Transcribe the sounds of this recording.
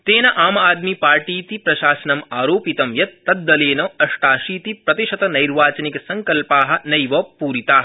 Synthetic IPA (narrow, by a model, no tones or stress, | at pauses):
t̪eːnɐʔaːmɐaːd̪mipaːɾʈiːt̪ipɾɐʃaːsɐnɐmaːɾoːpit̪ɐmjɐt̪ːɐd̪ːɐleːnɐɐʂʈaːʃiːt̪ipɾɐt̪iʃɐt̪ɐnɐjɾʋaːt͡ʃɐnikɐsɐŋkɐlpaːɦɐ̆nɐjʋɐːpuːɾit̪aːɦ